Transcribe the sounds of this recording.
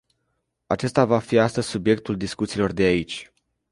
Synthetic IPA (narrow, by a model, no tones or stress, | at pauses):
at͡ʃe̞st̪avafiast̪əzʲsubje̞k̚t̪uld̪iskut̪silo̞rd̪eait͡ʃʲ